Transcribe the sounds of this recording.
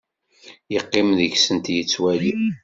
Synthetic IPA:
jəqːɪmðəçsənt̪jət͡sːwæli

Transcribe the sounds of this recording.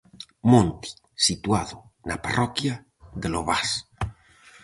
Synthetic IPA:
mõnt̪i̥ | sit̪uaðonaparʔɔkja | ðeloβas

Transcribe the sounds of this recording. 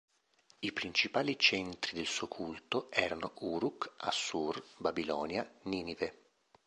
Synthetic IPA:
ipɾint͡ʃipaːlit͡ʃɛnt̪ɾid̪elsuokʰult̪oɛːɾanoʔuːɾuka̰sːurbabilɔːnjaniːnive

